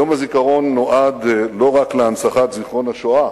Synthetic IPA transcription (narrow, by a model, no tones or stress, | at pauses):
jo̞mhazikaʁo̞nːoʔad̪lo̞ʁakleansaχat̪ziχʁo̞nhaʃoa